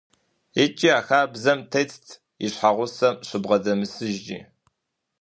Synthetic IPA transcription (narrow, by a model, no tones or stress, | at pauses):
et͡ʃʼiaːxaːbzɐmtʰejt͡stʰ | iɕħaʁʷʊsɐmɕɨbʁɐdɐmɨsɨʒd͡ʒḭː